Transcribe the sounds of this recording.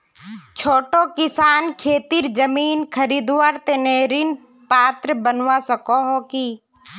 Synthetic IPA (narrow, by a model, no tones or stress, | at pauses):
t͡ʃʰoːʈokɪsaːnkʰeːt̪iɾd͡ʒəmiːnkʰəɾiːd̪waːɾt̪eneːɾin | paːt̪ɾəbənwasəkoɦokiː